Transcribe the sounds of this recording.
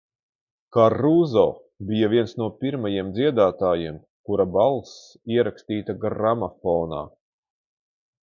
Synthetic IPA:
karːuzɔ̰ː | bijavʲiɛnsnuɔpʲiɾmajiɛmd̪zʲiɛd̪aːt̪aːjiɛm | kuɾabalˠs | iɛɾakst̪iːt̪aɡamafɔːna̰ː

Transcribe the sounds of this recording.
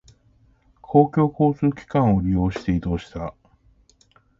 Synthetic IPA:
kʰo̞ːkʲo̞ːko̞ːt͡sɨːkʲi̥kãɰ̃o̞ɾʲijo̞ːɕi̥t̪e̞id̪o̞ːɕi̥t̪a

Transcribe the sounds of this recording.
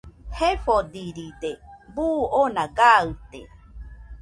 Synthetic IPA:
hefod̪iɾid̪ebuonaɡaɨt̪ḛ

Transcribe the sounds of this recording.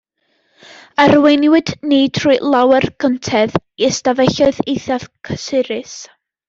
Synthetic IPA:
ərwenwɨdniːtʰrujlˠawɛrɡ̥əntʰɛðistavɛɬɔɨðejθav̥kʰəsɪɾɪs

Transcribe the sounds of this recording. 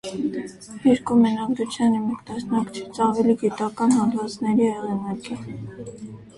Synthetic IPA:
iɾkumɛnɑɡɾut͡sʰjɑnimɛkd̪ɑsnɑkt͡ʃʰɛ̥t͡sɑvɛliɡit̪ɑkɑnhɑnd̪vɑt͡snɛɾiɛʁɛnɑki

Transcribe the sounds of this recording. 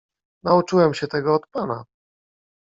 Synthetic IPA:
naut͡ʂɘwɛmɕɛt̪ɛɡɔːt̪pana

